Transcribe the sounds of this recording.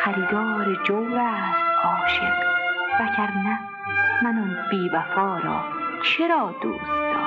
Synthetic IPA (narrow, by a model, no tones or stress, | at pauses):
xæɾiːd̪ɒːɾed͡ʒowɾæsʔɒːʃḛnvæɡæɾnæ | mænɔnb̥iːbæfɒːɾɒ̰ː | t͡ʃʰeɾɒːd̪o̰ːsd̪ɒ̰